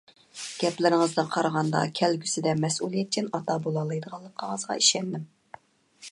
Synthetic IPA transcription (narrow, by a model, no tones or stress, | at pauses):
ɡ̥ʲɛplɪɾɪŋəzd̪ɨnqʰɑɾʁɑnd̪ɑ̰kʲʰɛlɡʲysɪd̪ɛmɛsulˠijɛt̪̚kʰʲɛnɑt̪ɑbolˠɑlˠɨjd̪əʁɑlˠːəqʰːəɴəzʁɑ̰iʃɛnd̪ɪm